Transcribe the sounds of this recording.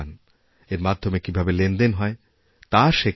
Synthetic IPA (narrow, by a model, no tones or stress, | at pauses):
n | eɾmad̪ʱːomekibʱabelend̪enɦɔe | t̪aʃe